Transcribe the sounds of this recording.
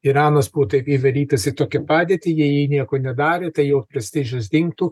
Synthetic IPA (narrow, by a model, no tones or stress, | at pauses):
ɪɾɑːnɐsbuʋɔːt̪ɐɪpiʋʲɐlʲiːt̪ɐsɪt̪oːkʲɛpɑːd̪ʲeːt̪ʲɪjijiːnʲiɛkoːnʲɛd̪ɑːɾʲeːt̪ɐɪjɛʊpʲɾʲɛsʲt̪ʲɪʒʲʊs̬d̪ʲɪŋk̚t̪uː